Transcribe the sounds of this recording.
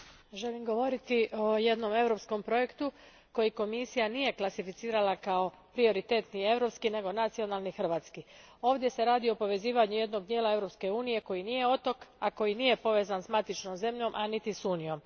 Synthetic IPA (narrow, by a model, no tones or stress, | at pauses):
ʒe̞limɡo̞ʋo̞ɾit̪iʔo̞je̞d̪no̞me̞ʋɾo̞psko̞mpɾo̞je̞kt̪u | ko̞jiko̞misijanije̞klˠasifit̪siːɾalakao̞ | pɾio̞ɾit̪e̞ːt̪nie̞ʋɾo̞pskine̞ɡo̞nat̪sio̞naːlˠnixr̩ʋaːt̪skio̞ːʋd̪je̞se̞ɾaːd̪io̞po̞ʋe̞ziːʋaɲuje̞d̪no̞ɡd̪jeːlˠae̞vɾopske̞uːnije̞ko̞jinije̞o̞t̪o̞kako̞jinije̞po̞ʋe̞ːzansmat̪it͡ʃno̞mze̞mʎo̞mʔanit̪isuːnijo̞m